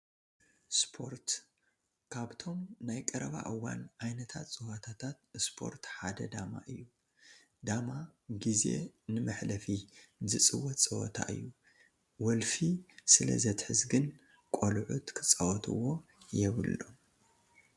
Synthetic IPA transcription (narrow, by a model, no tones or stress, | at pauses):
spʰo̞ɾt̪ | kʰaβt̪ʰo̞mnajkʼɐɾɐβa̰ʔɨwːa̰nʕajnɐt̪ʰat̪t͡sʼɨwat̪ʰat̪ʰat̪̚spʰo̞̰ɾt̪ħad̪ɐd̪ama̰ʔɨjːu | d̪amaɡize̞̰nɨmɐħlɐfizɨt͡sʼɨwɐt̪t͡sʼɨwo̰t̪ʰa̰ʔɨ̰jːu | wɔlfisɨlɐ̰zɐt̪ħɨzɡɨn | kʼolʕut̪kʰɨ̥t͡sʼɐwɔt̪ʰɨ̰wo̞jɛβɨlːo̞̰